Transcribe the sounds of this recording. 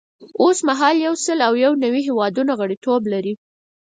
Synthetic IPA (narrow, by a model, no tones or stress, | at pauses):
osmaɦɑljawsəlawjawnawiɦewɑd̪unaɣəɽit̪oblaɾi